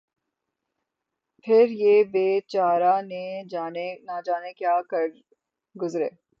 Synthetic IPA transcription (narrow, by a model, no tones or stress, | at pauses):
pʰɪɾjeːbeːt͡ʃaːɾaneaːnenad͡ʒaːnekjaːkɐɾ | ɡʊzɾḛː